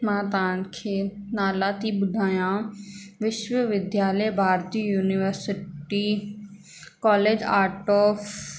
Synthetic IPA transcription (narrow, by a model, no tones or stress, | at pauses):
maːd̪aːnkʰeːnaːlaːt̪iːbʊd̪ʱaːjãːʋɪʃwəʋɪd̪jaːləjbʱaːɾt̪iːjuːnɪʋəɾsɪʈiː | kɔːleːd͡ʒaːɾʈɔːf